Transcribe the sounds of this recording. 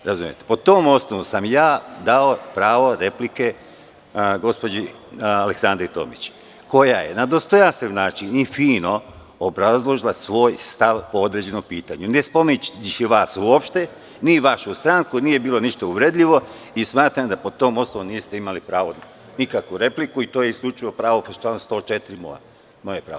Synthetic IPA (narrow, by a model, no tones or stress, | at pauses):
ɾazumje̞̰t̪epo̞t̪oːmo̞snoʋosamjaːd̪aopɾaːʋo̞ɾe̞plike̞ | ɡo̞spo̞d͡ʑi | aleksand̪ɾit̪o̰mit͡ɕ | ko̞jaje̞̰nad̪o̞st̪o̞jasiʋnaːt͡ʃinifiːno̞ | obɾazlˠo̞ʒilˠasʋo̞ːjst̪aʋpo̞od̪ɾe̞d͡ʑe̞no̞mpiːt̪aɲunespo̞minnit͡ʃiʋaːsuopʃt̪e̞ | niʋaʃust̪ɾaŋkuniːje̞biːlˠo̞niʃt̪auʋɾed̪ʎʲiʋo̞ | ismaːt̪ɾamd̪apot̪o̞ːmo̞snoʋomniːst̪e̞imalipɾaːʋo | nikakʋuɾe̞plikuit̪oːjeiskʎʲut͡ʃiʋo̞pɾaːʋopt͡ʃanst̪o̞ːt͡ʃe̞t̪ɾimo̰ja̰ | mo̞jepɾa̰ː